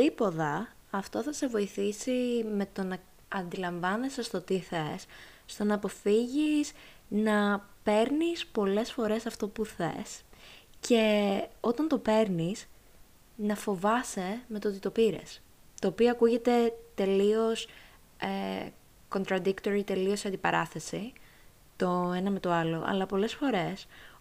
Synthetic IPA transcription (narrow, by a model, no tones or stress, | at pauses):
t̪ipo̞ðɐ | ɐft̪o̞θɐse̞vo̞iθisime̞t̪o̞nɐ | ɐnd̪ilɐɱvɐnesɐst̪o̞t̪iθesːt̪o̞nɐːpo̞fiʝis | nɐpe̞ɾnispo̞le̞sfo̞ɾe̞sɐft̪o̞puθḛsce̞o̞t̪ɐnt̪o̞pe̞ɾnis | nɐfo̞vɐsemet̪ot̪it̪o̞piɾḛs | t̪ɐoːpioɐkuʝe̞t̪e̞t̪e̞lio̞s | e | ko̞nt̪ɾɐd̪ikt̪o̞ɾit̪e̞liosɐnd̪ipɐɾɐθe̞si | t̪o̞enɐme̞t̪o̞ɐlo̞ʔɐ̰lɐpo̞le̞sfo̞ɾe̞s